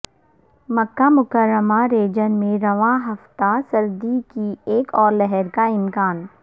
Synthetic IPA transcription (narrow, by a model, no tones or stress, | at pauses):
mɐkːamʊkəɾːəmaɾeːd͡ʒənmẽɾɐʋãːɦɐft̪asɐɾd̪ikieːkɔːɾlɛɦɛɾkaɪmkaːn